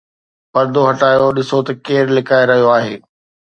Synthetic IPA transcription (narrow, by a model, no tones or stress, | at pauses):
pɐɾd̪ʱoɦɐʈaːjoɗɪsot̪ɐkeːɾlɪkaːeɾɐɦijoaːɦeː